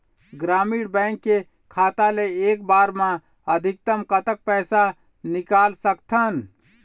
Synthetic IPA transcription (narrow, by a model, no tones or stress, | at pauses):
ɡɾaːmiːɽbɛ̃ɪŋkːe | kʰaːt̪aleeːkbaːɾmã | əd̪ʱɪk̚t̪əmkət̪ək̚pɛːsa | nɪkaːlsəkt̪ʰən